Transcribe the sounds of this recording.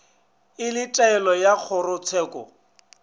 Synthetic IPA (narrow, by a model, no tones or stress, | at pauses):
ɪlɪtʼaɛlɔjak͡xʰʊrʊt͡sʰɛːkʼɔ̰